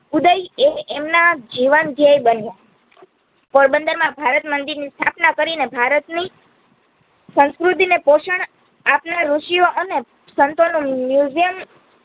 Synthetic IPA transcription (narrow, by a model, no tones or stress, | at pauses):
ud̪əjeemnad͡ʒiʋənd̪ʱjəjbənja | poɾbənd̪əɾmãbʱaɾət̪mənd̪iɾnist̪ʰapnakəɾinebʱaɾət̪ni | sə̃skɾut̪̬inepoʃəɳ | apnaɾuʃijoʔəne | sənt̪onũmjuzijəm